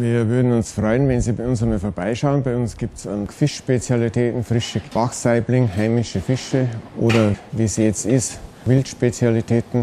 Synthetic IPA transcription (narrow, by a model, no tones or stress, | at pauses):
viːɐvʏɐdn̩ʊnsfʁɔʏənvɛnziːbaɪʊnsəməfoːɐbaɪʃaʊənbaɪʊnsɡ̥iːp̚tsmfɪʃʃpet͡sjalitʰɛːtn̩fʁɪʃəvaxsaɪblɪŋɦaɪmɪʃəfɪʃəʔo̰ːdɐviːsiːjɛt͡stɪst | vɪltʃpet͡sjalitʰɛːtn̩